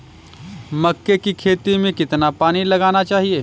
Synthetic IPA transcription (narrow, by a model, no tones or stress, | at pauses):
mɐkːekikʰeːt̪imẽkɪt̪napaːnilɐɡaːnat͡ʃaːɦieː